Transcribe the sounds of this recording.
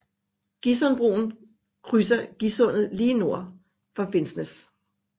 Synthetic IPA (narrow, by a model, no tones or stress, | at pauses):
ɡ̥isɔ̽nb̥ʁṵːn̩ | kʰʁysɐɡ̥isɔ̽nð̩ˠliːno̝ɐ̰ | fɑ̈fe̝nsnəs